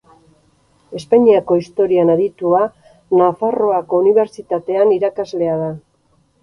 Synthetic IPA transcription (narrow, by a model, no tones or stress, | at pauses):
e̞spaɲiako̞ist̪o̞ɾianaðit̪ua | nafaro̞ako̞uniβ̞e̞ɾt͡sit̪at̪e̞aniɾakazle̞aða